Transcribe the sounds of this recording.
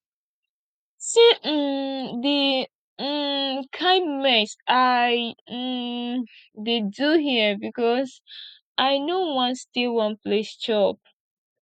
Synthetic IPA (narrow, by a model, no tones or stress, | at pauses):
si | di | kʰãɪ̃nmɛsaɪ | deduɦibikɔs | ʔaɪnowʌ̃nstilwʌ̃nplest͡ʃɔp̚